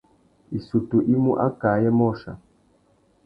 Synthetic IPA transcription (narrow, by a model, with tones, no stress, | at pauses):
i˨su˨tu˨ʔi˦mu˦ʔa̰˦kaː˨˦jɛ˦mɔ˦˨ʃa̰˨